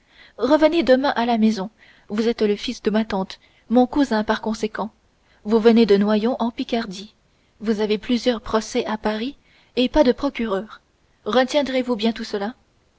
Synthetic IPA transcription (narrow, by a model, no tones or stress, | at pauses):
ʁəvəned̪əmɛ̃ʔalamɛzɔ̃ | vuzɛt̪ləfisd̪əmat̪ɑ̃t̪ | mɔ̃kuzɛ̃paʁkɔ̃sekɑ̃ | vuvəned̪ənwajɔ̃ʔɑ̃pikʲaʁd̪i | vuzaveplyzjœʁpχɔsɛʔapaʁi | epad̪əpχɔkʲyʁœːʁː | ət̪jɛ̃d̪ʁevubjɛ̃t̪usəla